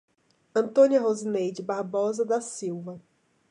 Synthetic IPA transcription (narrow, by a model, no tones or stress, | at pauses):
ɐ̃nt̪õniɐɦozinejd͡ʒɪbaɾbɔzɐd̪ɐsiwvɐ